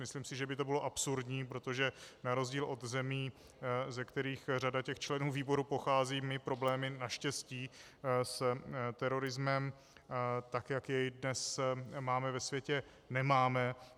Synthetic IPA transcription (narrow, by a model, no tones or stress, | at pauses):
mɪsliːmsɪʒɛbɪt̪obɪlo̞ʔapsuɾdɲiːpɾo̞t̪o̞ʒɛnaɾo̞zɟiːlʔo̞t̪zɛmiː | zɛkt̪ɛɾiːxr̝adacɛxt͡ʃlɛnuːviːbo̞ɾupo̞xaːziːmɪpɾo̞blɛːmɪnaʃcɛsciː | st̪ɛɾo̞ɾɪzmɛm | t̪akjakjɛjdnɛsmaːmɛvɛsvjɛcɛ | nɛmaːmɛ